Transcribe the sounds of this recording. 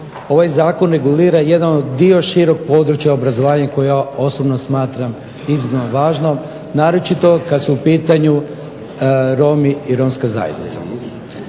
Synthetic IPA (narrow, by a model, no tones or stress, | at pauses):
o̞ʋajzaːko̞nɾe̞ɡuliːɾaje̞d̪anod̪d̪io̞ʃiɾo̞k̚po̞ːd̪ɾut͡ʃjaobɾazoʋaːɲako̞jejao̞sobnosmaːt̪ɾam | iznanoʋaːʒno̞ | naːɾo̞t͡ʃit̪o̞kad̪suːpiːt̪aɲu | ɾo̞miiɾo̞mskaza̰jed̪nḭt̪sa